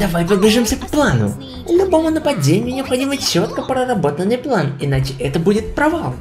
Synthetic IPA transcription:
d̪ɐvajpəd̪bʲlʲɪʐɨmsʲəpplˠanʊ̰ | lʲʊbo̞mʊnəpɐdʲenʲɪjʊnʲɪɐpxɐdʲimət͡ɕːo̞t̪kəpɾəɾɐbo̞t̪ənːɨjplˠanɪnat͡ɕɪʔɛt̪əbudʲɪt̪̚pɾɐvalˠ

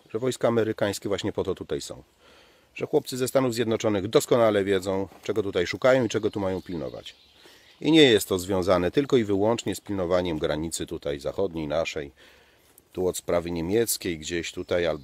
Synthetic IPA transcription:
ʐ̥ɛvɔjskaːmɛɾɘkaj̃skʲɛvwaɕɲɛpɔt̪ɔt̪ut̪ajsɔ̰̃w̃ | ʐ̥ɛxwɔp̚t̪sɘzɛst̪anuvzʲjɛd̪nɔt͡ʂɔnɘɣd̪ɔskɔnalɛvʲjɛd̪zɔ̃w̃t͡ʂɛɡɔt̪ut̪ajʂukajɔ̃w̃it͡ʂɛɡɔt̪umajɔ̃w̃pʲilnɔ̰va̰t͡ɕ | iɲɛjɛst̪ːɔzvʲjɔ̃w̃zanɛt̪ɘlkɔivɘwɔnt͡ʂɲɛspʲilnɔvaɲɛmɡɾaɲit̪sɘt̪ut̪ajza̰xɔd̪ɲejnaʂɛj | t̪uɔt̪spɾavɘɲemʲjɛt̪skʲejɡd͡ʑeɕt̪ut̪ajal

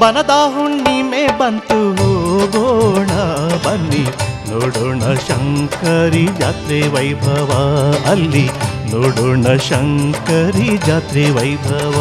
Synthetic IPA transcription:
bɐnɐd̪aːɦuɳniːmeːbɐnt̪uɦoɡoɳɐbɐnd̪inoːɽuɳɐʃɐŋkɐɾid͡ʒaːt̪ɾeʋɐjbʱɐʋɐɐlːinoːɽuɳɐʃɐŋkɐɾid͡ʒaːt̪ɾeʋɐjbʱɐʋa

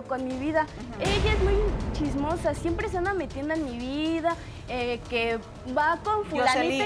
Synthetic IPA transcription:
konmiβiða | eʝaezmujt͡ʃizmosasje̞mpɾes̬and̪ame̞t̪jend̪oenmiβiða | eke | bakoɱfulai

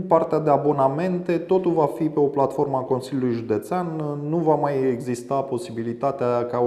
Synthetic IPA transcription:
part̪ead̪e̞abo̞name̞nt̪e̞t̪o̞t̪ulvafipe̞o̞plat̪fo̞rməako̞nsilʲjululujʒud̪e̞t̪seanːuvamajeɡzist̪apo̞sibilit̪at̪eaka

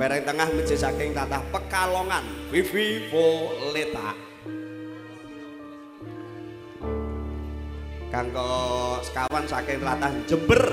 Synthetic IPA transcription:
peɾɛŋt̪əŋahmid̥d͡ʒ̥i̤sakɪŋt̪at̪ahpəkalɔŋanfifiwolet̪a̰ʔ | kaŋkɔsə̥kawansakɪŋt̪at̪ahnd͡ʒəmbər

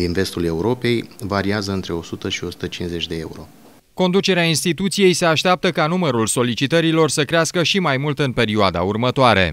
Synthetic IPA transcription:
d̪inve̞st̪ule̞uɾo̞pe̞jvaɾiazəɨnt̪ɾe̞o̞sut̪əʃio̞su̥t̪ət͡ʃinze̞t͡ʃʲd̪e̞euɾo̞̰ | ko̞nd̪ut͡ʃe̞ɾeainst̪it̪ut̪sije̞jse̞aʃt̪eap̚t̪əkanuməɾulso̞lit͡ʃit̪əɾilo̞rsəkɾeaskəʃimajmult̪ɨnpe̞ɾioad̪a̰urmət̪oaɾe̞̰

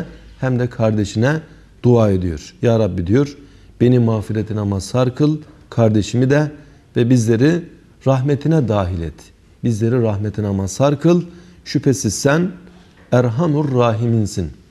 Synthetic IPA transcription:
hæmd̪ɛkʰaɾd̪eʃinɛ | d̪̥uaːed̪ijoɾ̥jaːɾabːid̪ijoɾ | b̥e̞nimaːfiɾet̪ʰinamasaɾkʰɯlˠ | kʰaɾd̪eʃimid̪ɛ | vɛbizlʲeɾi | ɾaɦmet̪ʰinɛd̪aːɦilʲɛ̰t̪ | bizlʲe̞ɾiɾaɦmet̪ʰinamasaɾkʰɯlˠʃypʰesizsæn | æɾɦanuɾːaːɦiminsin

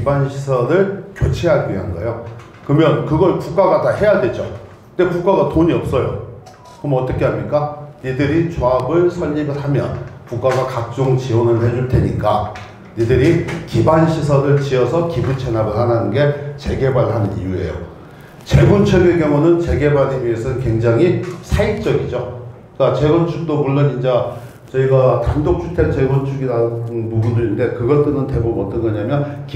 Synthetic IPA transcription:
kibanɕʰisʰʌɾɯɭkjot͡ɕʰeɦaɡiɦanɡʌ̰jo | kɯmjʌnkɯɡʌɭkuk͈aɡatahe̞jadwe̞d͡ʑo̰kndekuk͈aɡatoɲiʌp̚s͈ʌjo̰ | kɯmʌt͈ʌkʰeɦamɲik͈anidɯɾit͡ɕoabɯɭsʰʌʎːibɯɭɦamjʌ̰nkuk͈aɡakak̚t͡ɕ͈oŋt͡ɕionɯɭhe̞d͡ʑuɭtʰe̞ɲik͈a | nidɯɾikibanɕʰis̬ʰʌɾɯɭt͡ɕiʌsʰʌkibut͡ɕʰe̞nabɯɭɦananɯnɡe̞t͡ɕe̞ɡe̞baɭɦanɯnḭjue̞̰jo̰ | t͡ɕe̞bunt͡ɕʰuɡeɡjʌŋonɯnt͡ɕe̞ɡe̞baɾimiesʰʌnɯnkwe̞ŋd͡ʑaŋɦisʰaik̚t͡ɕ͈ʌɡid͡ʑo | k͈at͡ɕe̞ɡʌnt͡ɕʰuk̚t͈omuɭːʌnind͡ʑa | t͡ɕʌiɡatandok̚t͡ɕʰutʰeɭt͡ɕeɡunt͡ɕʰuɡidaɯnpubundɯinde̞kɯɡʌt͈ɯnɯntebomʌt͈ɯnɡʌɲamjʌnk

